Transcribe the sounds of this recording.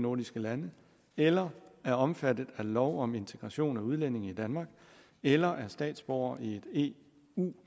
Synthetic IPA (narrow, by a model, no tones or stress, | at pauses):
noɐdisɡ̥əlænə | elɐæɐɒ̽mfæd̥ð̩ˠælɒʊɒ̽me̝nt͡sʰeɡ̥ʁɑ̈ɕo̝̰ːnæuð̞ˠlen̰e̝ŋ̩id̥ænmɑ̈ːɡ̥ | elɐʔæɐsd̥ɛ̰ːd̥sb̥ɒʊ̰ɐʔie̝d̥e̝̰ː | uː